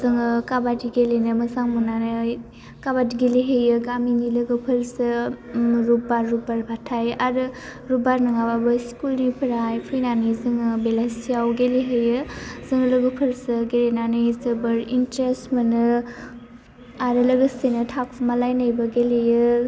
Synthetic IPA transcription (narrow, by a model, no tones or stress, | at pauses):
zɯŋɯkabadiɡelenɯmɐsaŋmənanɯ | kabadiɡeliɦejɯɡaminilɐɡəpʰəɾsɯ | ɾubaɾːubaɾbʱatʰajʔaɾɯɾubaɾnɯŋababɯskulnipʰɐɾajpʰijnanizɯŋɯbelasijawɡeliɦejɯz̥ɯŋlɐɡɯpʰəɾsɯɡelenanɯjzɯbɐɾintɾesmɐnɯ | aɾɯlɐɡəsenɯtʰak̚pʰmalajnajbɐɡelejɯ